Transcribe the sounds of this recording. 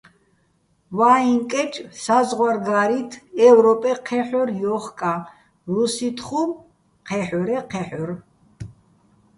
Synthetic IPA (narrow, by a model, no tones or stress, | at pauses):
vaiŋkʼɛt͡ʃʰʼsazʁwaɾɡaɾit̪ʰɛvɾɔpʼɛqʰɛħɔɾjɔχkʼa | ɾusit̪ʰχum | qʰɛħɔɾɛqʰɛħɔɾ